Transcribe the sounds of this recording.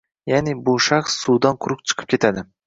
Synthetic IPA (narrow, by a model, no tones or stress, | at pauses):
janɪbuʃaχsːud̪anqʰʊɾʊq̚t͡ʃʰɨ̥qʰɨ̥p̚kʲʰe̞t̪ʰad̪ɪ